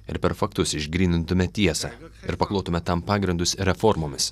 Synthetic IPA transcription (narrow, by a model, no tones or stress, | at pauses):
ɪ̰ɾpʲɛɾfɐk̚t̪ʊsɪʒʲɡɾʲiːnʲɪnt̪ʊmʲɛt̪ʲiɛsɑɪ̰ɾpɐklˠoːt̪ʊmʲɛt̪ɐmpɑːɡɾʲɪnd̪ʊsɾʲɛfɔɾmoːmʲɪs